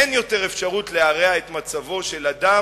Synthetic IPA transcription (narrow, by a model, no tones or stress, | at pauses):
enjo̞te̞ʁefʃaʁutle̞aʁeaet̪mat͡savo̞ʃe̞lad̪a